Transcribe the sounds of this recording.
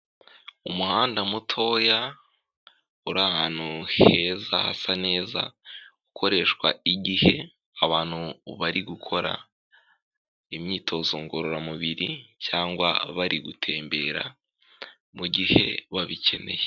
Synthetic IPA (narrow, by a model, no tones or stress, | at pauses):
umuhaːndamutʰo̞ja | uɾahaːn̥huhe̞zaha̰sane̞ːza̰ɡukʰo̞ɾe̞ːʃkwaiɟihe̞ | aβaːn̥huβaɾiɡukʰo̞ɾa̰ | imɲiːtʰo̞ːzoŋɡoɾoɾamuβiɾicaːŋɡwa̰βaɾiɡutʰe̞ːmbe̞ːɾa̰ | muɟihe̞βaβice̞ne̞̰je